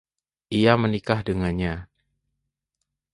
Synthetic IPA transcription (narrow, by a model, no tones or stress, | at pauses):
ʔijamənikahdəŋanɲa